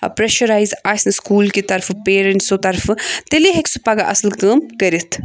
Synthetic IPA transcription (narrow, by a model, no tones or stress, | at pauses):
pɾeʃɐɾaːjzaːsʲnskuːlkit̪ɐɾfpeːɾeɳʈsot̪ɐɾft̪eliɦeksupaːɡaʔɐ̰slkəːmkɐɾit̪ʰ